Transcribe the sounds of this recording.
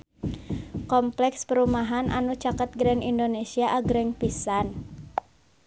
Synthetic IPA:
kɔmplɛkspəɾumaɦanʔa̰nut͡ʃakət̪̚ɡɾɛnindonesiaʔaɡɾɛŋpisan

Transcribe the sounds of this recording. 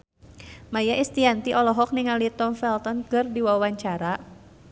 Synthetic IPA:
majaʔist̪iant̪iʔɔlɔɦɔk̚niŋalit̪ɔmfɛlt̪ɔnkɨrdiwawaɲt͡ʃaɾa

